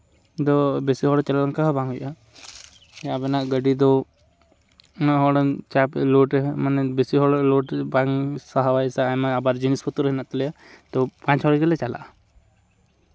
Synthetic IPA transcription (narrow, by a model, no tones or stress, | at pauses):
d̪ɔbesiɦɔɽɔt͡ʃalalaŋkaɦbaŋɦujʔa | jabɛnaʔɡəɖid̪ɔ | naɦɔɽɔnt͡ʃaplɔʈɛmanɛbesiɦɔɽlɔʈbaŋsaɦawajsaːmaabaɾd͡ʒinispʰɔt̪uɾəɦinaʔt̪ɔlɛjat̪ɔpãɲt͡ʃɦɔɽɡəlɛt͡ʃala̰ʔ